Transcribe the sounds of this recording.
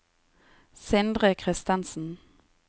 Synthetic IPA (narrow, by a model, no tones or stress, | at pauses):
sɛnd̪ʁəkʰʁɪst̪ɑnsn̩